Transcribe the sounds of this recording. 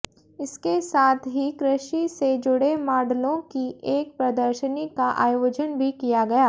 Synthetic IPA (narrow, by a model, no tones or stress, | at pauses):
ɪskesaːt̪ʰɦikɾɪʃised͡ʒʊɽemaːɖlõkieːk̚pɾɐd̪əɾʃənɪkaʔa̰ːjoːd͡ʒənbʱikijaɡɐjaː